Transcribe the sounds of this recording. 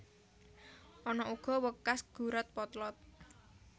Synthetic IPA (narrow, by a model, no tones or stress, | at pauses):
ʔɔnɔuɡ̥ɔ̤wəkasɡ̥ṳɾət̪̚pɔt̪lɔt̪̚